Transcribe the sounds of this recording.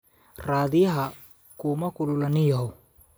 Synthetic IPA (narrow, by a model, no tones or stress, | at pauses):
raːðɪjɐɦɐ | kʰʊmɐkʰʊlʊlɐnɪjɐɦɔ